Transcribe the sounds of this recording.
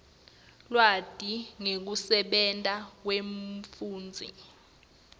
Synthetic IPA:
lwad̥ʼʱiŋek̬usɛɓɛntʼak̬weɱfuːnd͡zʱḭ

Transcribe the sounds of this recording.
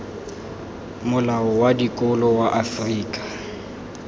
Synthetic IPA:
mʊlaɔwadikʼʊlɔwaʔafriːkʼḁ

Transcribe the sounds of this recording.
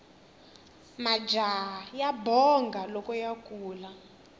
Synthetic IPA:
mad͡ʒʱajabʱɔŋɡʱalɔkʼɔjakʼuːla

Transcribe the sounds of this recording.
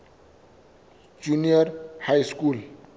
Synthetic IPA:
d͡ʒunijʌrhajskul

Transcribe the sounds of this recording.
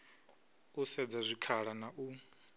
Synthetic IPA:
usɛd͡zazʷikʰaɺanaʔu

